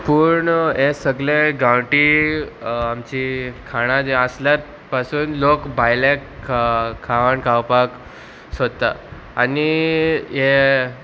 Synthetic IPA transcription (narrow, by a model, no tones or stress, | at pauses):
puɾɳɦesəɡlẽɡawʈi | amt͡ɕikʰaɽ̃ãd͡zeəsljaɾ | pasuːnlokbʱajlek | kʰːaʋaɳkʰawpak | səd̪t̪a | aniɦe